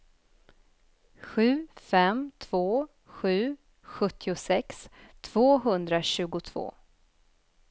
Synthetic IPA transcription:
ɧʉ̟ːfɛmt̪ʰv̥oː | ɧʉ̟ː | ɧɵt̪ʰːɪʊsɛkst̪ʰv̥oːɦɵnd̪ɾaɕʉ̟ːɡʊt̪ʰv̥o̰ː

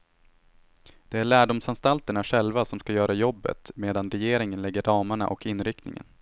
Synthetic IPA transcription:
d̪̥ɛæɭæːɖʊmsanst̪alt̪əɳaɧɛlvasɔmskajœːɾajɔbːə̰t̪meːd̪anɾɛjeːɾɪŋənlɛɡːəɾɑːmaɳa̰ʔɔkɪnːɾɪk̚t̪nɪ̰ŋə̰n

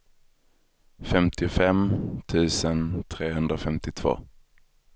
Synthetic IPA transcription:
fɛmt̪ʰɪʊfɛmt̪ʰʉ̟ːsənt̪ʰɾeːɦɵnd̪ɾafɛmt̪ɪt̪ʰv̥o̰ː

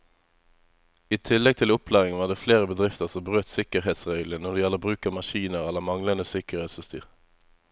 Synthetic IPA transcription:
iːt̪ʰɪlɛɡ̚t̪ʰɪlʊpʰlæːʁɪŋʋɑːʁd̪eːfleːʁəbəd̪ʁɪft̪əʁsɔmbʁøːt̪sɪkəʁɦeːt̪sʁeːɡlənɔʁd̪ɛɪjɛlːəʁbʁʉːkəmɑʃiːnəʁɛlːəmɑŋlənd̪əsɪkəʁheːt̪sfəst̪y̰ːʁ

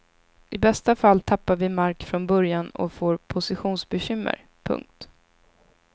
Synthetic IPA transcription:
ɪbɛst̪afalt̪ʰapːaɾvɪmaɾkfɾɔnbœɾjanɔ̰foːɾpʰʊsɪɧuːnsbɛɕʏmːə̰ɾ | pʰɵ̰ŋk̚t̪

